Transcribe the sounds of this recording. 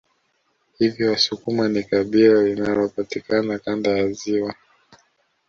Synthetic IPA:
hivjɔwasukumanikaɓilalinalɔpatikanakandajaziwa

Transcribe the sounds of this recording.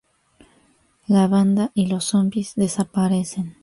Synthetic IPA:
laβand̪aʔilo̞sombizðe̞sapaɾe̞sen

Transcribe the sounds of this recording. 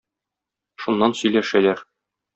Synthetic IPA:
ʃunːɑnsɵ̆jlæʃælæɾ

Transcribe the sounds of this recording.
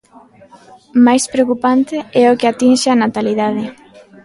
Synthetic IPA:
majspɾeokupant̪eɛokeat̪inʃeanat̪aliðað̞e

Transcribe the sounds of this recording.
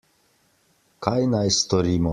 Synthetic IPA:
kajnajst̪ɔɾiːmɔ

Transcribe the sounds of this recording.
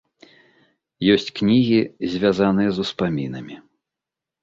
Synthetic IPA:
jɔsʲt͡sʲknʲiɣʲizʲvʲazanɨjɛzuspamʲinɐmʲi

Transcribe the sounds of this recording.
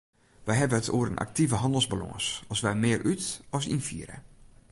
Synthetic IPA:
ʋɛjɦɛbəətʰo̰ːəɾə̰nʔa̰k̚tivəɦɑndəlˠzbalɔ̰̃ːsɔsʋɛjmɪːrʔytɔs̬infḭəɾə̰

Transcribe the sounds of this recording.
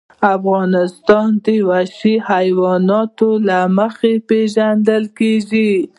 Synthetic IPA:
afɣɑnɪst̪ɑnd̪əwaʃihajwɑnɑt̪olaməxepeʒand̪əlkeʒi

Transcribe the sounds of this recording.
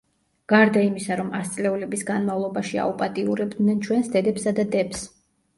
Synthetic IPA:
ɡ̥aɾd̪aimisaɾɔmast̪sʼlɛulɛbisɡanmavlˠɔbaʃia̰upʼat̪ʼiuɾɛbd̪nɛnt͡ʃʰwɛnsd̪ɛd̪ɛpsad̪ad̪ɛps

